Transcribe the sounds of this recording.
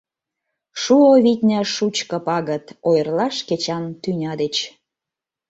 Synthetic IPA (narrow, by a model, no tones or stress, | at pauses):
ʃuoβit̪ʲnʲæʃut͡ɕkə̆pɑɣət̪ojə̆rlɑʃket͡ɕɑnt̪ynʲɑd̪et͡ɕ